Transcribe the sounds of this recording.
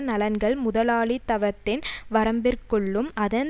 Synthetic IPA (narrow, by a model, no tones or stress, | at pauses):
nɐlɐnɡɐɭmʊðɐlaːɭit̪ːɐʋɐt̪ːɪnʋɐɾɐmbɪrkɔɭːɯmɐðɐn